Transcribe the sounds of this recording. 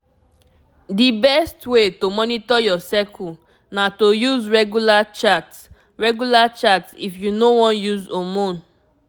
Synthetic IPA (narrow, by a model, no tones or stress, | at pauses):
dibɛstwetomɔnitɔjɔsɛkʰu | natojuzɹɛɡulat͡ʃats | ɹɛɡulat͡ʃatsḭfjunowɔ̃njuzomõn